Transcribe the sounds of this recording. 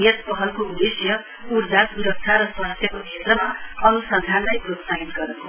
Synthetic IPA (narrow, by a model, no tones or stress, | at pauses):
jʌt̪̚pʌɦʌlkoud̪esjʌ | uɾd͡zasuɾʌk̚t͡ʃʰaɾʌswaɦʌst̪ʰjʌkokʰiet̪rʌmaʌnusad̪ʱanlajpɾot̪saɦit̪ɡʌɾukʰo